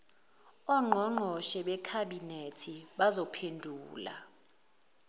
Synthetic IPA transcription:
ɔŋ͡ǃʱɔŋ͡ǃʱɔʃɛɓɛkʰaɓinetʰiɓazɔpʰendʱuːla̰

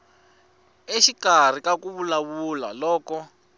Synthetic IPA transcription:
eʃikar̤ikakuβulaβula̰lɔːkɔ

